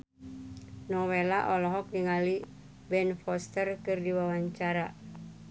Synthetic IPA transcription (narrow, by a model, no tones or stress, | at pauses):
nɔwelaʔɔlɔɦɔk̚niŋali | bɛnfɔst̪ərkɨrdiwawaɲt͡ʃaɾa